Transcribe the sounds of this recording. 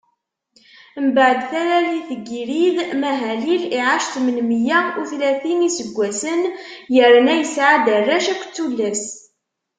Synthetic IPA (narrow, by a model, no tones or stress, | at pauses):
məbəʕəd̪θæɾæliθəɡːiɾiðmæɦæliliʕaʃt̪mənmjæuθlæθinisəɡʷːæsənjəɾnæjəsʕad̪ərˤːæʃækʷt͡sːulːæs